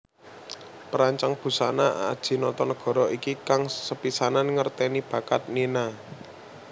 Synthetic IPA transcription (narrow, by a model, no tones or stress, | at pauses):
pəɾaɲt͡ʃaŋb̥ṳsanaad̥ʒ̥i̤nɔt̪ɔnɡ̥ɔ̤ɾɔʔikikaŋsəpisananŋərt̪ɛnib̥ä̤kat̪̚nina